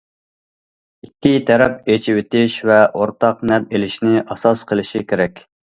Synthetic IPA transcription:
ikʲːit̪ʰɛɾɛp̚et͡ʃʰiwɪt̪ɪʃvɛʔoɾt̪ʰɑqnɛp̚elɪʃnɪʔɑsɑsqʰəlˠɪʃikʲʰeɾɛkʲ

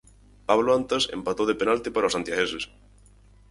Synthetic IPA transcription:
paβlʊant̪esḛmpat̪oðepenalt̪ɪpaɾaosant̪jaɣeses

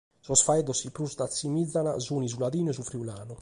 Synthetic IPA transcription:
sɔsfaɛðɔsipɾusd̪at̪sːimid̪zːana̰zuːnizulaðiːnɛzufɾiulaːnu

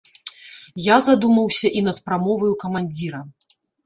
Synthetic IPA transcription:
jazad̪umɐwsʲɐʔin̪ɐt̪pɾamɔvɐjukɐmanʲd͡zʲiɾɐ

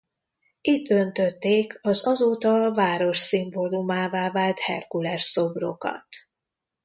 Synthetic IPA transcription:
it̪ːønt̪ø̞t̪ːeːkɒzɒzoːt̪ɒvaːɾo̞ʃsimbo̞lumaːvaːvaːlt̪hɛ̰rkulɛrso̞bro̰kɒ̰t̪

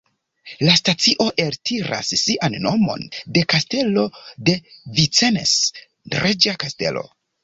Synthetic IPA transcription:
lastat͡siʔo̞ʔe̞ɾtʰiɾa̰sːiʔanːo̞mo̞̰nde̞kaste̞lo̞de̞vit͡senḛs | ɾed͡ʒakaste̞̰lo̞̰

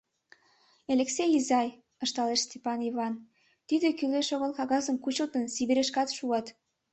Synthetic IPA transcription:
elʲeksejizɑj | əʃt̪ɑleʃst̪ʲepɑniβɑn | t̪id̪ekyleʃoɣəlkɑɣɑzəmkut͡ɕot̪ənsiβiɾeʃkɑt̪ʃuɑt̪

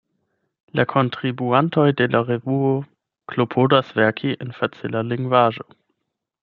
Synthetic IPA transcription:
lakʰontʁibuanto̞jde̞laʁevuo | klopʰodasvɛɐkʰiʔenfat͡silaliŋɡvaʒo̞

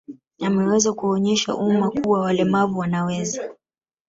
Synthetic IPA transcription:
amɛwɛzakuɔɲɛʃa̰ʔumakuwawalɛmavuwanawɛza

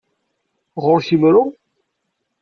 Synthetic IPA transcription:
ʁʊɾçimɾʊ

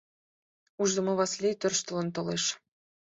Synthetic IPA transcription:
uʒd̪ɤ̆mɤ̆βɑslʲejt̪ø̆rʃt̪ɤ̆lɤ̆nt̪ɤ̆leʃ

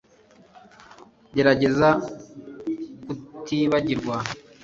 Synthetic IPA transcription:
ɟe̞ɾaɟe̞za | kutiːβaɟiɾɡwa

